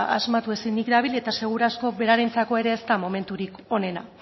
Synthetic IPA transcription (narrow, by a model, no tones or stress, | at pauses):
ʔa̰zmat̪ue̞sinikd̪aβilet̪ase̞ɣ̞uɾasko̞βe̞ɾaɾejnt͡sako̞e̞ɾe̞ːst̪amo̞me̞nt̪uɾiko̞ne̞na